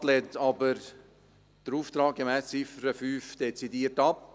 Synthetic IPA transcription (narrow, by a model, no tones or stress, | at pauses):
tlɛːnt̪ɑbəɾ | d̪̥əɾuːft̪ɾɑːk̚ɡemɛːst͡sɪfəɾəfyːfd̥ɛt͡sidiːərtɑp̚